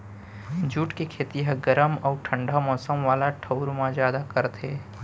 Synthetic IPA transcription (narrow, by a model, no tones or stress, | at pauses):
d͡ʒuːʈkekʰeːt̪iɦəɡəɾəmɔːʈʰə̃ɳɖʱamɔːsəmʋaːlaʈʰɐʊɾmãzjaːd̪akəɾt̪ʰeː